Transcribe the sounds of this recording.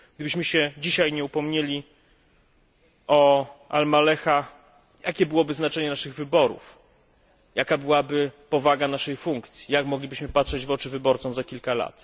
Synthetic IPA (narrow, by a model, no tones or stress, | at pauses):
ɡ̥̚d̪ɘbɘɕmɘɕɛd͡ʑiɕajɲɛupɔmɲelʲi | ɔa̰lmalɛxa | jakʲɛbɘwɔbɘznat͡ʂɛɲɛnaʂɘɣvɘbɔɾṵf | jakabɘwabɘpɔvaɡanaʂɛjfuŋkt̪sʲjijakmɔɡlʲibɘɕmɘpatʂɛd͡ʑvɔt͡ʂɘvɘbɔɾt̪sɔ̃w̃zakʲilkala̰t̪